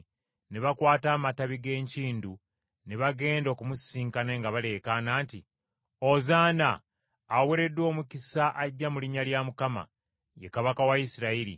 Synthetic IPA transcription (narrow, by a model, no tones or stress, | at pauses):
neβakwaːtaːmataβiɡe̞ːɲciːndu | neβaɡe̞ːndo̞kumusiːŋkaneːŋɡaβale̞kanaːnti | ozaːnaː | weɾe̞dwo̞ːmukisaʔaɟːamuliɲaljamukama̰ | jekaβakawajisiɾaiɾḭ